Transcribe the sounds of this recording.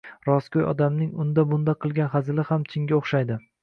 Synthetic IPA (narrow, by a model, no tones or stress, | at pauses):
ɾɒskʲojɒ̰d̪amnɪŋʊnd̪abʊnd̪aqʰɨlˠɡʲanχazɪlɪhamt͡ʃʰɪŋɡʲaoχʃajd̪ɪ